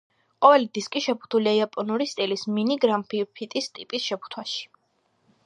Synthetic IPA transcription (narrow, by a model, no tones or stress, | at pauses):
qʼɔvɛlid̪iskʼiʃɛpʰu̥t̪ʰuliaiapʼɔnuɾist̪ʼilisminiɡɾampʰipʰit̪ʼist̪ʼipʼisʃɛpʰu̥t̪ʰwaʃi̥